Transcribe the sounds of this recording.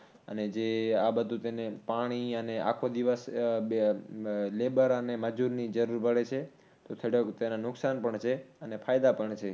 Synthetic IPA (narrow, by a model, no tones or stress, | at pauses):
ə̰ned͡ʒeabəd̪ʱut̪enepaɽ̃iəneʔa̰kʰod̪iʋəs | lebəɾəneməd͡ʒuɾnid͡ʒəɾuɾpəɭet͡ʃʰe | t̪ot̪ʰəɽokt̪enanʊksanpəɳt͡ʃʰeənepʰajd̪apəɳt͡ʃʰe